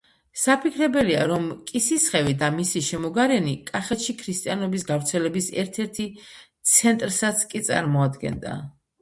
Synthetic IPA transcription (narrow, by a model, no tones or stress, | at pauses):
sapʰikʰɾɛbɛlia̰ɾɔmkʼisisχɛvid̪amisiʃɛmɔɡaɾɛnikʼaχɛt̪ʃikʰɾist̪ʼianɔbisɡavɾt̪sʰɛlɛbisɛ̰ɾt̪ʰɛɾt̪ʰit̪sʰɛnt̪ʼɾsat̪sʰkʼit̪sʼa̰ɾmɔad̪ɡɛ̰nd̪a̰